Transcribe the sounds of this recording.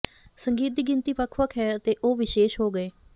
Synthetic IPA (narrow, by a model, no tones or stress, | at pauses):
səŋɡiːt̪̚d̪iːɡɪnt̪iːpəkʰʋəkɦɛːət̪eːʔoːʋɪʃeːʃɦoːɡəeː